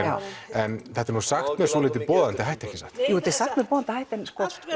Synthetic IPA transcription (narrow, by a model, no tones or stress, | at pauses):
njɛnθɛht̪aɾnusaxt̪mɛðsɔlɪːt̪̬ɪpɔːðant̪ɪɦajht̪ɛhcɪsaht̪jut̪e̥saxt̪mɛpɔːðant̪hajht̪ɛnskɔ